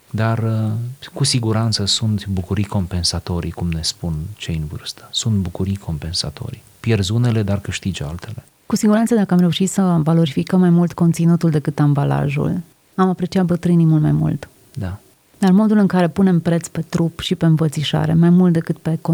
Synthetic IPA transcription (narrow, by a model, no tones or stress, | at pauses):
d̪arəkusiɡuɾant̪səsunt̪bukuɾijko̞mpe̞nsat̪o̞ɾḭkumne̞spunt͡ʃejɨnvɨ̰rst̪ə̥sunt̪bukuɾijkʰo̞mpe̞nsa̰t̪o̞̰ɾi | pje̞rzune̞le̞d̪arkɨʃt̪id͡ʒa̰lt̪ʰe̞le̞ | kusiɡuɾant̪səd̪akəamɾeuʃit̪səvalo̞ɾifikəmːajmult̪ko̞nt̪sinut̪uld̪e̞kɨt̪ambala̰ʒṵl | amapɾe̞t͡ʃiat̪̚bət̪ɾɨnimulmajmṵlt̪ | d̪a | d̪armo̞d̪ulɨŋkaɾe̞pune̞mpɾe̞t̪spe̞t̪ɾupʃipe̞ɨnvət̪siʃa̰ɾe̞̰majmult̪̚d̪e̞kɨt̪pe̞ko